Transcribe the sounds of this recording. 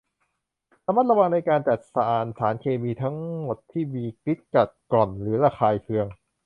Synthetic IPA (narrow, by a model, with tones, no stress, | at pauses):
sa˧ma˦˥t̪̚ɾa˧wa˧ŋna˧jkaː˧nt͡ɕa˨˩t̪̚sa˧ʔaː˨˩nsaː˩˦nkʰeː˧miː˧t̪ʰa˦˥ŋmo˨˩t̪ʰːiː˥˩miː˧kɾi˦˥t̪̚ka˨˩t̪̚klɔ˨˩nɾɯː˩˦ɾaː˧xʰaː˧jkʰɯ˧əŋ